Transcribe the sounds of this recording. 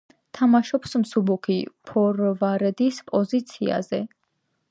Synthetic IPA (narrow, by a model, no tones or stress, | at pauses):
t̪ʰamaʃɔpsmsubukʰipʰɔɾvaɾɛd̪ispʼɔzit̪sʰia̰zɛ